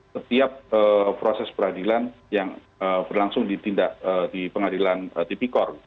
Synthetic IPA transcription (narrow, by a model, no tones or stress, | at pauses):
sət̪iap̚əpɾosɛspəɾadilan | jaŋ | əbərlaŋsʊŋdit̪indaʔədipəŋadilanət̪it̪ikɔrɡit̪